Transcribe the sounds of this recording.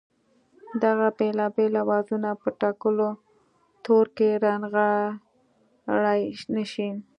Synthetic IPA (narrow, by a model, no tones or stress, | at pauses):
d̪aɣabelɑbelawɑzunapəʈɑkəlo | t̪oɾkeɾanɣa | ɽajnəʃin